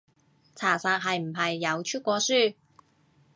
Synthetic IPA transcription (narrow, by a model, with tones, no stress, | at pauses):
t͡sʰaː˨˩saː˧k̚ɦɐ˨jm̩˨˩ɦɐ˨jːɐ˨˧wt͡ʃʰy˥t̚kʷɔː˧syː˥